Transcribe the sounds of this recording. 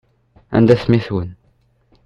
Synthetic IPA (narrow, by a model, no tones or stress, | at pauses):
æ̰nd̪æθmiθwən